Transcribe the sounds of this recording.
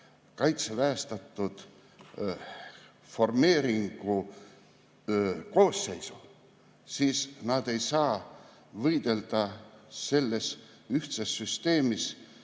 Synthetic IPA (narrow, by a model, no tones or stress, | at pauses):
kɑjt̪sevæːst̪ɑt̪ːud̪̥ | fo̞rme̞ːɾiŋɡ̥u | ko̞ːsːe̞jsu̥ | siːsnɑd̪̥e̞jsɑː | vɤjd̪̥e̞ld̪̥ɑse̞lːe̞s | yht̪sesːyst̪e̞ːmis